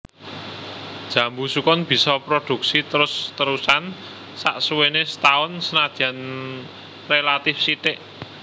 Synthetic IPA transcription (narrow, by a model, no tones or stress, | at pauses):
d̥ʒ̥ä̤mbusukɔnb̥i̤sɔpɾod̪̥ṳk̚sit̪əɾʊst̪əɾusan | sa̰ʔsuwenesət̪aɔnsənad̪̥ian | relat̪ɪfsit̪ɪʔ